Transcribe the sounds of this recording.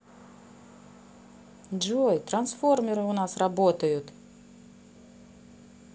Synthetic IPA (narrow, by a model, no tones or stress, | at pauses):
d͡ʒojt̪ɾɐnsformʲɪɾɨʊnasrɐbot̪əjʊt̪